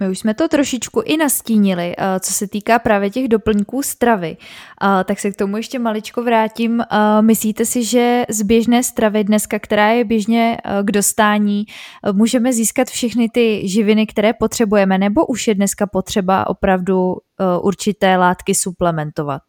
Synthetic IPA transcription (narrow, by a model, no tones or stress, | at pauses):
mɪuʃsmɛt̪o̞t̪ɾo̞ʃɪt͡ʃkuʔɪnasciːɲɪlɪt͡so̞sɛt̪iːkaːpɾaːvjɛcɛɣdo̞pl̩ɲkuːst̪ɾavɪt̪aksɛk̚t̪o̞mujɛʃcɛmalɪt͡ʃkovɾaːciːmmɪsliːt̪ɛsɪʒɛzbjɛʒnɛːst̪ɾavɪdnɛskakt̪ɛɾaːjɛbjɛʒɲɛɡdo̞st̪aːɲiːmuːʒɛmɛziːskat̪fʃɛxnɪt̪ɪʒɪvɪnɪkt̪ɛɾɛːpo̞t̪r̝̥ɛbujɛmɛnɛbo̞ʔuʃjɛdnɛskapo̞t̪r̝̥ɛba̰ʔo̞̰pɾavdu | ʔuɾt͡ʃɪt̪ɛːlaːt̪kɪsuplɛmɛnt̪o̞va̰t̪̚